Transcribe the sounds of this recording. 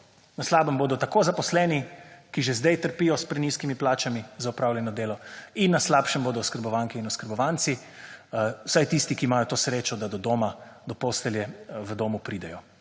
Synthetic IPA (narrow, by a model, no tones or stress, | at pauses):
naslaːbəmboːd̪ɔt̪akoːzapɔslɛnikiʒɛzd̪ɛjt̪əɾpiːjɔspɾɛniskimiplaːt͡ʃamizaupɾaːwljɛnɔd̪eːlɔinːaslaːpʃɛmboːd̪ɔɔskəɾbɔʋaŋkiinɔskəɾbɔʋant̪si | wsajt̪ist̪ikiːmaːjɔt̪oːsɾeːt͡ʃɔd̪ad̪ɔd̪oːmad̪ɔpost̪ɛljɛʋəd̪oːmupɾiːd̪ɛjɔ